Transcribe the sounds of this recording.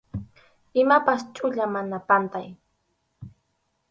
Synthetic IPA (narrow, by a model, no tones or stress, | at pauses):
ɪmapast͡ʃʼʊʎamanapant̪aj